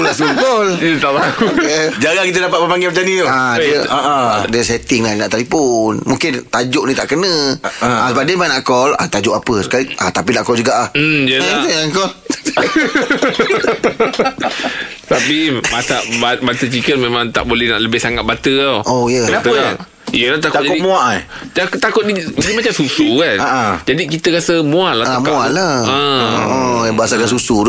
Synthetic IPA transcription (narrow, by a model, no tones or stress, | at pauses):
lasəkɔljət̪aʔbakud͡ʒaɡakit̪̬ədapat̪̚bəpaŋɡɪpat͡ʃanĩoadiəaʔadiəsɛt̪ɪŋlaninaʔt̪alipʊnmũŋkɪnt̪ad͡ʒʊʔ̚nĩt̪a̰ʔkənə̃asəbap̚diəmanaʔkɔla̰t̪ad͡ʒʊʔapəsə̥kaliʔat̪apinaʔkɔld͡ʒuɡaʔlah̩jəaŋkɔl | t̪apimasaʔbabat̪ət͡ʃikənmẽmãŋt̪a̰ʔbolɛhna̰ʔləbɪhsaŋat̪̚bat̪əaʔojəənapə | ijəlat̪akt̪ad͡ʒakʊtimũaʔajt̪akt̪akʊt̪̚diadimat͡ʃamsusukanaʔad͡ʒadikit̪əkasəmũalataamkõalaə̃ | jabəɦasakansusud